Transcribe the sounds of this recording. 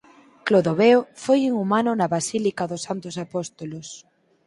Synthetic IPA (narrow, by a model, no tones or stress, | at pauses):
kloðoβeofojiŋumanʊnaβasilikaðʊsːant̪ʊsapɔst̪olos